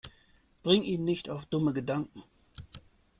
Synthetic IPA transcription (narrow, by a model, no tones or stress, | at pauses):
b̥ʁɪŋʔiːnnːɪçtaʊfd̥ʊməɡədaŋkŋ̩